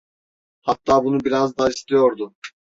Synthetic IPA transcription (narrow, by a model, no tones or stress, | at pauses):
hat̪ːaːbunubiɾazd̪aːist̪ijo̞ɾd̪ʊ